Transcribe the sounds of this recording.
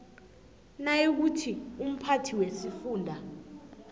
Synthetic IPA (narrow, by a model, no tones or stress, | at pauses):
najek̬utʰium̩pʰatʰiwesifuːndʱa